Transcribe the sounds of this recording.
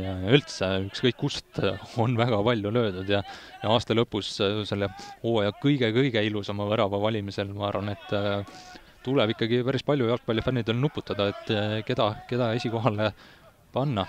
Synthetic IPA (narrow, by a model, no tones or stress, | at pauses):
jɑylt̪seykskɤjkːust̪o̞nvæɡ̥ɑpɑlʲjulø̞ːd̪ud̪̥jɑjɑɑːst̪ɑlɤpːˑusse̞lːeoːjɑkɤjɡ̥e̞kɤjɡ̥e̞ilusɑmɑvɤɾɑvɑvɑlʲimise̞lmɑɑːɾvɑne̞t̪ːˑ | t̪ulɛb̥ikːˑɑɡipæɾispɑlʲjujɑlk̚pɑljɑfænːid̪elnupːˑut̪ːˑɑd̪̥ɑet̪ːke̞d̪̥ɑke̞d̪ɑe̞sʲiko̞ɦɑle̞ | pɑnːɑ